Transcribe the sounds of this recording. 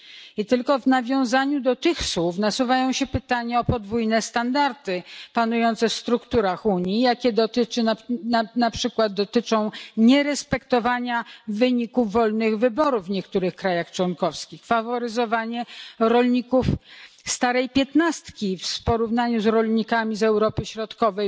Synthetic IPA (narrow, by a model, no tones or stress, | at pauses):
it̪ɘlkɔvnavʲjɔ̃w̃zaɲud̪ɔt̪ɘxswufnasuvajɔ̃w̃ɕɛpɘt̪aɲaɔpɔd̪vujnɛst̪and̪aɾt̪ɘpanujɔnt̪sɛfst̪ɾukt̪uɾaxuɲijakʲɛd̪ɔt̪ɘt͡ʂɘnanapʂɘkwad̪̚d̪ɔt̪ɘt͡ʂɔ̃w̃ɲɛɾɛspɛkt̪ɔvaɲavɘɲikuvːɔlnɘɣvɘbɔɾuvvɲɛkt̪uɾɘxkɾajaxt͡ʂwɔnkɔfskʲixfavɔɾɘzɔvaɲɛɾɔlɲikuf | st̪aɾɛjpʲjɛt̪nast̪kʲifspɔɾuvnaɲuzɾɔlɲikamʲizɛwɾɔpɘɕɾɔt̪kɔvɛj